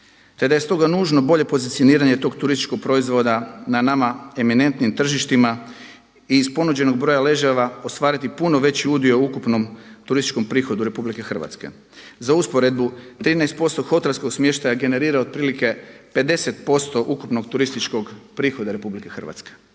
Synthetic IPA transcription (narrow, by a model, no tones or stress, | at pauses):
t̪e̞d̪aje̞st̪o̞ɡanuːʒno̞bo̞ʎe̞po̞zit̪sio̞niːɾaɲe̞t̪oɡt̪uɾist̪i̥t͡ʃko̞ɡ̚pɾo̞izʋo̞d̪ananamae̞mine̞nt̪nimt̪r̩ʒiʃt̪ima | iːspo̞nud͡ʑe̞no̞ɡ̚bɾo̞jale̞ʒeʋao̞st̪ʋaːɾit̪ipunoʋe̞t͡ɕiud̪ioukupnomt̪uɾist̪i̥t͡ʃko̞mpɾiːxo̞d̪uɾe̞publike̞xr̩ʋa̰t̪ske̞̰ | zauspo̞ɾe̞d̪but̪ɾiːnaest̪po̞st̪oɡxo̞t̪elsko̞ɡsmje̞ʃt̪ajaɡe̞ne̞ɾiːɾaod̪̚pɾiːlike̞pe̞d̪e̞set̪po̞st̪o̞ʔukupno̞ɡt̪uɾist̪it͡ʃko̞ɡpɾiːxo̞d̪aɾe̞publike̞xr̩ʋa̰t̪ske̥